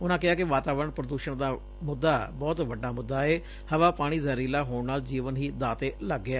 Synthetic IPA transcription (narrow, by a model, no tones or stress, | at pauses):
ʊnãːkɪaːkɪʋaːt̪aːʋəɾəɳpɾəd̪uːʃəɳd̪aː | mʊd̪ːaːbɔːt̪ʋəɖaːmʊd̪ːaːeː | həʋaːpaːɽ̃iːzəɾiːlaːɦoːɳnaːld͡ʒiːʋənɦiːd̪aːt̪eːləɡːɪaː